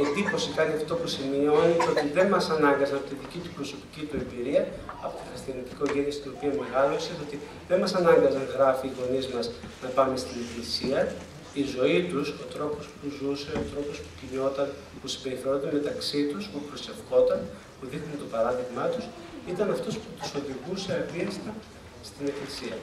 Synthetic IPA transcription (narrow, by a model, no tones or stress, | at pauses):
iðipo̞sikɐniɐft̪o̞pusimio̞nit̪eo̞t̪iðe̞nmɐsɐnɐŋɡɐzɐnɐpot̪iðicit̪u̥pɾo̞so̞pi̥cit̪ue̞mbiɾiɐɐpot̪ixɐst̪iɐnit̪i̥ko̞ʝenjisit̪ino̞piɐmeɣɐloiset̪o̞t̪i | ðe̞nmɐsɐnɐŋɡɐzɐnɣɾɐfiːɣo̞nizmɐznɐpɐme̞st̪inetlisiɐ | izo̞it̪uso̞t̪ɾo̞po̞spuzuse̞o̞t̪ɾo̞po̞spu̥ciɲo̞t̪ɐn | pusimbe̞ɾiθeɾo̞nd̪emet̪ɐksit̪uspupɾo̞se̞fko̞t̪ɐn | puðixnunt̪o̞pɐɾɐðiɣmɐt̪us | it̪ɐnɐft̪o̞sput̪uso̞ðiɣuse̞ɐviɐst̪ɐ | st̪ine̞flisiɐ